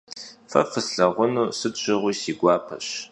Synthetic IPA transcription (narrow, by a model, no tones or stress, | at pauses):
fɐ̰fɨsɬɐʁʷʊnuːsɨt͡ʃʷʰʼɪʁʷʊːsiːɡʷɑːpʰɐ̰ɕ